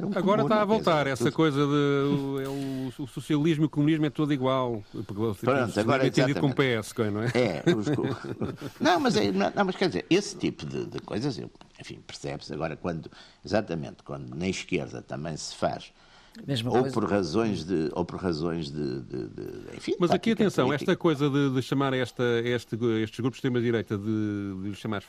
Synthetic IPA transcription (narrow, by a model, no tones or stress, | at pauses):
ɐɣɔɾɐʃt̪aɐvolˠt̪aɾɛsɐkojzɐðɨuɛuususiɐlˠiʒmuiukumuniʒmɛt̪oðiɣwalˠpuɾkpɾõnt̪ɐɣɔɾɐ̃ẽad̪iðkõmupeɛskõnɐ̃w̃ɛɛuʃ | nɐ̃w̃mɐzɛnɐ̃nɐ̃w̃mɐʃkɛɾðizḛɾest̪ipuðɨ̰ðɨko̰jzɐzḛwẽfḭ̃pɨɾsɛ̰βsɐ̰ɣɔɾɐkwɐ̃nd̪u | izat̪ɐmḛ̃nt̪kwɐ̰̃nd̪unɐ̃j̃ʃkḛɾðɐ̰t̪ɐ̰̃mbɐ̃j̃sɨ̥fa̰ʃ | meʒopɔɾʁɐzõj̃ʒðɨo̰pɔɾʁɐzõj̃ʒðɨ̰ðɨ̰ðɨ̰ḛ̃fĩmɐzɐkiɐt̪ẽsɐ̃w̃ɛʃt̪ɐkojzɐðɨðɨʃɐmaɾɛʃt̪ɐeʃt̪ɣeʃt̪ʒɣɾupu̥ʃʃt̪eɾmɐðiɾejt̪ɐðɨðɨʃɐmaɾ